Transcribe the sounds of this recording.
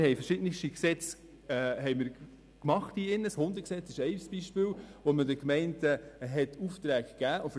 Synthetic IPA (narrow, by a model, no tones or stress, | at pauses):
hɛɪfəɾʃɪdnɪʃtiksɛt͡sː | ɦɛɪjmɪɾ | kmɑχtiɪnːəshʊnd̪əksɛt͡sɪʃɛɪsb̥iʃpɪːwʋɔmədəkmɛɪntəɦɛtʰuft̪ɾæːkɡ̥æːʔʊf